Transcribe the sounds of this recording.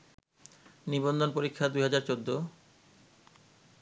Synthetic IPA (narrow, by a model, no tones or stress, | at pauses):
nibond̪onpoɾikʰːad̪ujɦad͡ʑaɾt͡ɕod̪ːo